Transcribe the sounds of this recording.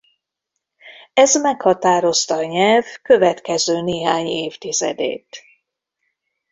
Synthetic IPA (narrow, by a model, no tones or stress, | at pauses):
ɛzmɛkhɒt̪aːɾo̞st̪ɒɲɛlvkøvɛt̪kɛzøːneːɦaːɲeːft̪izɛ̰d̪ḛːt̪